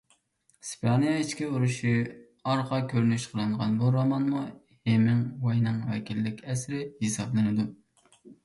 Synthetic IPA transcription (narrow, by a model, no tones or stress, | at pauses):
spʰɑnijɑit͡ʃkʲiuɾuʃi | ɑɾqʰɑkʲʰøɾnyʃqʰəlˠɨɴʁɑnbuɾɑmɑnmu | hemɪŋwɑjnɨŋwɛkʲʰilːɪkʲɛsɾɪhesɑblˠɨnɨd̪u